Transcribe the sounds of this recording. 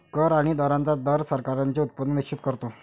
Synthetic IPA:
kəɾaɽ̃id̪əɾãnt͡sad̪əɾsəɾkaɾaɲt͡ɕeut̪̚pənːənikt͡ɕʰit̪kəɾt̪o

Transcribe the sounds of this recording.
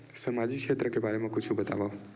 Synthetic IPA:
səmad͡ʒikʃʰet̪ɾəkebʱaɾemãkut͡ʃʰũbət̪a̰ʋao

